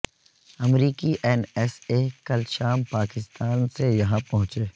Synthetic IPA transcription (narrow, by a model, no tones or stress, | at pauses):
ɐmɾiːkiʔɛːnɛːsekɐlʃaːmpaːkɪst̪ʰaːnsejɐɦãpɐɦʊ̃t͡ʃeː